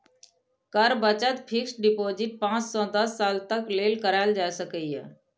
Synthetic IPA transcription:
kəɾbət͡ʃət̪pʰɪksɖɪpoːzɪʈ̚pãːt͡ʃsɔ̃d̪əsːaːlt̪əkleːlkəɾaːld͡ʒaːsəkəiɦɛ̰ː

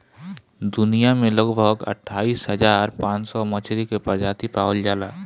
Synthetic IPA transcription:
d̪ʊnijamẽləɡbʱəɡə̰ʈʰːaːiːsɦəzaːɾpãːt͡ʃsɔmət͡ʃʰɾikepəɾd͡ʒaːt̪ipaːwəld͡ʒaːlaː

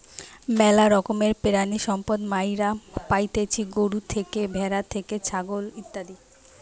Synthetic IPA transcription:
mɛlaɾɔkomeɾpeɾaniʃɔmpod̪majɾapajt̪et͡ɕʰiɡoɽut̪ʰekebʱɛɾat̪ʰeket͡ɕʰaɡolit̪ːad̪i

